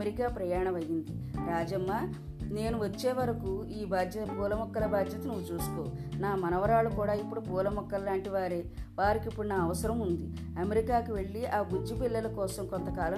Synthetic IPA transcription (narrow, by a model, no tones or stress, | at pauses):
eɾikaːpɾɐjaːɳɐmɐjːind̪i | ɾaːd͡ʒɐmːaː | ne̞ːnuʋɐt͡ʃːe̞ːʋɐɾɐkuiːbʱaːd̪jɐpuːlɐmɔkːɐlɐbaːd̪jɐt̪ɐnuʋːut͡ʃuːsu̥koːnaːmɐnɐʋɐɾaːɭukuːɽaːipːuɽupuːlɐmɔkːɐllaːɳʈiʋaːɾeː | ʋaːɾikipːuɽunaːɐʋɐsɐɾɐmund̪i | ɐmeɾikaːkiʋe̞ɭːiʔaːɡud͡ʒːipilːɐlɐkɔːsɐmkont̪ɐkaːlɐ